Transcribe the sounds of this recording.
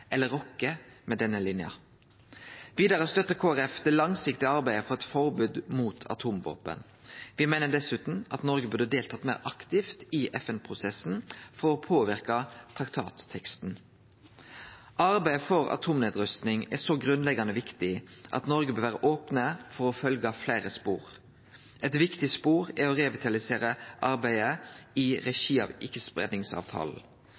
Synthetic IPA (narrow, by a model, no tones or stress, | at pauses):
ʔɛlːəʁɔkːəmɛːd̪ɛnːəlɪnjɑ̰ | ʋiːd̪ɑʁəst̪œt̪ːəkʰoːæʁɛfd̪ɛlɑŋsɪkt̪ɪɑʁbæɪəfɔʁɛt̪fɔʁbʉːd̪muːt̪ʰɑ̰t̪ʰuːmʋo̰ːpə̰n | ʋɪmæɪnəd̪ɛsʉːt̪n̩ɑt̪nɔʁɡəbʉʁd̪əd̪eːlt̪ʰɑːt̪mæɪɾɑkt̪ɪft̪ɪʔɛfɛnpʰʁʊsɛsn̩fɔʁɔpʰoːʋɪʁkɑt̪ʰʁɑkt̪ʰɑ̰ːt̪ʰːɛkst̪n | ʔɑɾbæɪəfɔʁɑ̰t̪ʰuːmneːd̪ɾʉst̪nɪŋɛsɔɡʁʉnlɛɡɑnəʋɪkt̪ɪʔɑ̰t̪nɔɾɡəbøːɾʋæːʁəʔoːpnəfɔɾɔfœlɡɑflæɪɾəspṵːɾ | ʔɛt̪ʋɪkt̪ɪspuːʁɛɔʁɛʋɪt̪ʰɑlɪseːɾəʔɑɾbæɪəɪʁɛʃiːɑ̰ːʋʔɪkːəspʁɛ̰d̪nɪŋsɑ̰ːʋt̪ʰɑ̰ːln̩